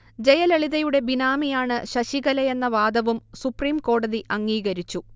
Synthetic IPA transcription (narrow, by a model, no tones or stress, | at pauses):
d͡ʑe̞jɐleɭiðɐjuɽe̞binaːmijaːɳɨɕɐɕiɣɐlɐje̞nːɐʋaːd̪ɐʋumsupriːmko̞ːɽɐðiʔɐŋːiːɣɐɾit͡ɕːu